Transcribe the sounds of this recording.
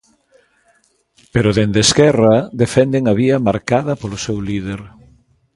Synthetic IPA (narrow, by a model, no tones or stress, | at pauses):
peɾʊðend̪eskɛrɐðefɛnd̪eŋɐβiɐmaɾkaðɐpolʊsewlið̞eɾ